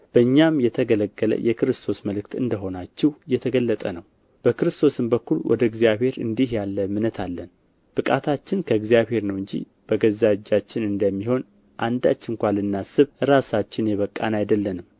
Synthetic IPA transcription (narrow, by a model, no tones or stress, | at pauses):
b̥əɨɲːamjɛt̪ʰəɡələɡːələ̰jʔɛkɨɾɨst̪ʰo̞sməlɨkt̪ɨnd̪əɦo̞nat͡ʃːɛwjɛt̪ʰəɡəlːət̪ʼənəw | b̥əkɨɾɨst̪ʰo̞sɨmbəkːulwɔ̰d̪əɨɡzijaβhe̞ɾɨ̰nd̪ihjalːəmɨnət̪ʰalːən | b̥ɨkʼat̪ʰat͡ʃːɪnkʰəɨɡzijaβhe̞ɾnəwɨɲd͡ʒḭ | b̥əɡəzad͡ʒːat͡ʃːɪnɨnd̪əmːiɦo̞n | ʔand̪a̰t͡ʃːɪŋkʷalɨnːasɨβɨɾasat͡ʃːɪnjɛβəkʼːa̰najd̪əlːənɨm